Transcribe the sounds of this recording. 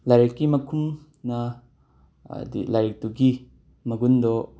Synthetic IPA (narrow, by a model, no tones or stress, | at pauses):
lajɾekːimɐkʰum | nɐ | d̪ḭlajɾek̚tuɡi | mɐɡundɔ